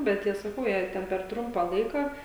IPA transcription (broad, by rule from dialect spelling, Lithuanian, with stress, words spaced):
bʲɛt ˈjiɛ sɐˈkɐʊ jɛɪ ˈtʲɛn pʲɛr ˈtrʊmpɑː ˈlˠɐɪkɑː